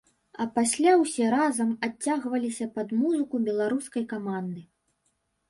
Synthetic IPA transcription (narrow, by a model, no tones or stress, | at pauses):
ɐpasʲlʲawsʲɛɾazɐmat͡sʲːaɣvɐlʲisʲɐpɐd̪muzɨkubʲɛlˠaɾuskɐjkamand̪ɨ